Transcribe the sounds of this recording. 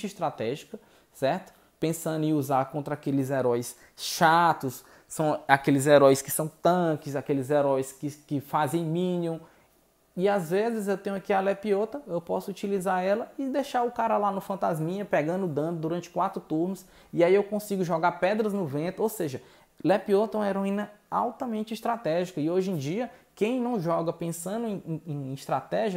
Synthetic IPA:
t͡ʃɪist̪ɾat̪ɛʒikɐ | sɛɾt̪ʊ̥ | pẽsɐ̃nd̪ʊɪ̃uzaɾkõnt̪ɾɐakelɪzɛɾɔjs | ʃat̪ʊs | sɐ̃w̃akelɪzɛɾɔjskɪ̥sɐ̃w̃t̪ɐ̃kɪzakelɪzɛɾɔjskɪkɪfazẽj̃mĩniũ | ɪazvezɪzewt̪ẽɲʊ̃akialɛpiɔt̪ɐewpɔsʊut͡ʃilizaɾɛlɐɪd̪eʃaɾʊkaɾɐlanʊfɐ̃nt̪azmĩɲɐpɛɡɐ̃nd̪ʊʊd̪ɐ̃d̪ʊd̪uɾɐ̃nt͡ʃɪ̥kwat̪ɾʊt̪uɾnʊs | ɪaiewkõsiɡʊʒɔɡaɾpɛd̪ɾɐznʊvẽnt̪ʊowseʒɐ | lepiot̪ɐũɐeɾõĩnɐa̰wt̪ɐmẽnt͡ʃɪist̪ɾat̪ɛʒikɐɪoʒẽd͡ʒiɐkẽj̃nɐ̃w̃ʒɔɡɐpẽsɐ̃nd̪ʊẽj̃ẽẽist̪ɾat̪ɛʒiɐ

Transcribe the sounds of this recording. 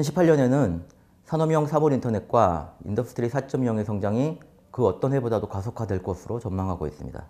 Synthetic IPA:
ʌnɕʰipʰaʎjʌne̞nɯn | sʰanʌmjʌŋsʰaboɾintʰʌne̞t̚k͈waḭndʌpʰu̥tʰɾisʰat͡ɕ͈ʌmjʌŋe̞sʰʌŋd͡ʑaŋi | kɯʌt͈ʌnɦwe̞bodadokasʰokʰadweɭk͈ʌsʰɯɾot͡ɕʌnmaŋɦaɡo̰is͈ɯmɲḭda̰

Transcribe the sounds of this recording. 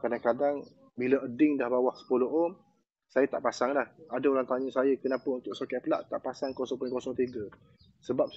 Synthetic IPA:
kadaŋkadaŋ | bilaʔədɪŋdahbawahsə̥pulɔɔm | sajət̪a̰ʔpasaŋlahadaolaŋt̪aɲəsajəkənapəunt̪ʊʔ̚sokɛʔ̚pəla̰ʔt̪aʔpasaŋkɔsɔŋpʊnkɔsɔŋt̪iɡə | səbap̚

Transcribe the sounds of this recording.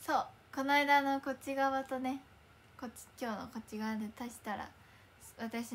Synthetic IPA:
so̞ːko̞naid̪ano̞ko̞t͡ɕiɡaβat̪o̞ne̞ | ko̞t͡ɕi̥kʲo̞ːno̰ko̞t͡ɕiɡaad̪et̪aɕi̥t̪aɾa̰ | βat̪aɕi

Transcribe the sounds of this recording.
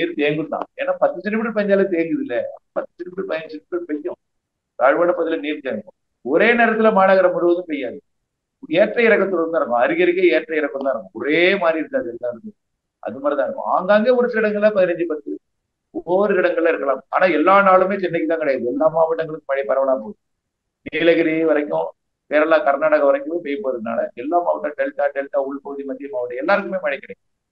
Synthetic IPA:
niːɾt̪eːŋɡɯɽt̪ã̰ːḛːnːaːpɐt̪ːɯsɛɳʈːɪmɪʈːrɯp̬ɐɲd͡ʒaːlɐt̪eːŋɡɐðɪlːɛpɐt̪ːɯ̥sɛʈːɖɪmɪʈːɾɯpɐɪɲd͡ʒɯsɛɳʈːɪmɪʈːɯpɛjːʊ̃ | t̪aːɻʋɐːɽɐpːɐðɪlɐniːɾt̪eːŋkːʊ̰̃ | ɔɾeːneːɾɐt̪ːɪlɐmaːnaɣɐɾɐmʊɻɯʋɐðɯ̃pɛjːaːðɯ | eːʈrɐɪɾɐkːɐt̪ːɯlɐɾɯnaːɪɾɯkːʊ̃ɐɾɪɣɐɾɪkːeːeːʈrɐɪɾɐkːɯaːɪɾɯkːʊ̃ɔɾeːmaːd̪ɾiɪɾɯnd̪aːðɯɛlːãːɪɾɯnd̪ɯ | ʔɐ̰ðɯmaːɾit̪aːɪɾɯkːʊ̰̃a̰ːŋɡaːŋɡeːɔɾɯt̪ːɪɪɽɐŋɡɐɭːɐpɐðɪnɐɲd͡ʒɯpɐt̪ːɯ | oːɾɯɪɽɐŋɡɐɭːɐɪɾɯkːɐɭãːma̰ːnaːɛlːaːnaːɭɯmeːt͡ʃɛnːɐkːɯt̪ãːkɪɽɐjaːðɯɛlːaːmaːʋɪɽɐŋɡɐɭɯkːɯmɐɳɪpɐɾɐʋɐlaːp̬oːðɯ | niːlɐɣɐɾiʋɐɾɐɪkːʊ̃ | ʋeːɾɐlaːkɐɾnaːɽɐɣɐʋɐɾɐɪkːɯ̃meːpɛjpoːɾɐðɯna̰ːlɐ̰ʔɛlːaːmaːʋɐʈːaːɖɛlʈːaːɖɛlʈːaːʊɭpɐɣɯðimɐnːjmaːʋɐʈːɐɛlːaːɾɯk̬ːɯmeːmɐɳɪkːɐɽɐkːʊ̃

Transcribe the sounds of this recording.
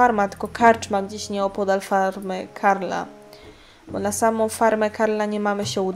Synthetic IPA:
aɾmat̪ɘ̥kɔkʰaɾt͡ʂmamd͡ʑiɕɲɛɔpɔd̪alfaɾmɘkʰaɾla̰ | bɔnasamɔ̃w̃faɾmɛkaɾlaɲɛmamɘɕɛud̪

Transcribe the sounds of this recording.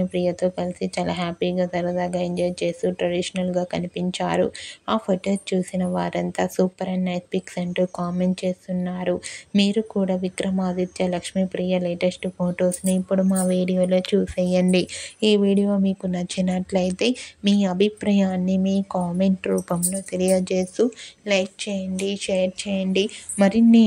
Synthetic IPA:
ipɾijɐt̪o̞ːkɐlisit͡ʃaːla̰ːɦaːpiːɡaːt̪ɐɾɐd̪aːɡaːiɲd͡ʒɐːjt͡ʃe̞ːst̪uʈɾɐɽiʃɐnɐlɡaːkɐnipiɲt͡ʃa̰ːɾṵaːpʰoʈoːt͡ʃuːsinɐʋa̰ːɾɐnt̪aːsuːpɐɾɐnːɐjt̪̚piksɐɳʈuːkaːme̞ɳʈt͡ʃe̞ːst̪unːaːɾumiːɾukuːɽaːʋikɾɐmaːd̪it͡ʃːɐlɐkʂmiːpɾiːjɐleːʈesʈupʰoːʈo̞ːsnuipːuɽumaːʋiːɽijoːlo̞ːt͡ʃuːsɛjɐɳɖiiːʋiːɽijo̞ːmiːkunɐt͡ʃːinɐʈlɐjt̪e̞ːmiːɐbʱipɾɐjaːnːimiːkaːme̞ɳʈɾuːpɐmloːt̪elijɐt͡ʃe̞ːst̪ulɐjk̚t͡ʃɛːjɐɳɖiʃeːɾt͡ʃeːjɐɳɖimɐɾini

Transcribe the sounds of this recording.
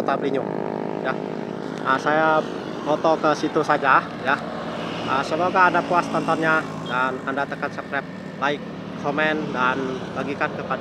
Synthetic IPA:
ot̪abəliɲʊʔ | ja | ʔəsaja | bɔt̪ɔkəsit̪usad͡ʒa | ja | ʔəsəmoɡaːdapuast̪ant̪arɲa | danandat̪əkansəkɾap̚ | laɪkʰː | omɛndanbaɡikankəpad

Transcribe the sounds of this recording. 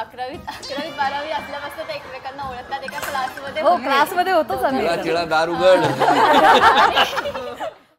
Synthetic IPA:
akɾaʋit̪akɾaʋiːt̪baɾaʋiːasljaʋəsət̪ekʋekanːaoɭək̚t̪at̪ekaklasməd̪ʱːjeɦoklasməd̪ʱːjeɦot̪ot͡sãnd̪iãt̪iɭãd̪aɾuɡəl

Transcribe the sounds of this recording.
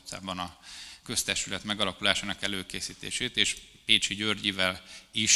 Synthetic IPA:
sa̰ːbɒnɒkø̞st̪ɛʃt̪ylɛt̪mɛɡɒlɒkulaːʃaːnɒkɛløːkeːsiːt̪ḛːʃeːt̪eːʃ | peːt͡ʃiɟørɟivɛliʃ

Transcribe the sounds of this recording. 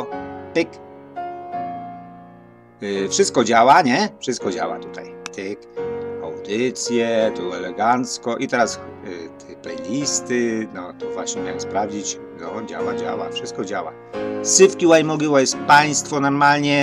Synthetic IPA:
pik | fʂɘst̪̚kɔd͡ʑawaɲɛfʂɨst̪̚kɔd͡ʑa̰wa̰t̪u̥t̪ajt̪ikawd̪ɘt̪sʲjɛt̪uɛlɛɡant̪skɔʔit̪ɛɾast̪ʰɛpɛjlʲist̪ɘnɔt̪ɔvwaɕɲɛmʲjawɛmspɾavd͡ʑit͡ɕ | nɔd͡ʑa̰wad͡ʑa̰wa̰fʂɘst̪̚kɔd͡ʑawa̰ | sɘfkʲiwajmɔɡʲiwɔjɛspaj̃st̪fɔnɔɾmalɲɛ

